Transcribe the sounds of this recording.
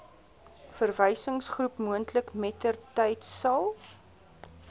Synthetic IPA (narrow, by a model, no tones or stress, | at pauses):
fərvəjsəŋsχrupmuəntləkmɛtərtɛjtsɐlˠ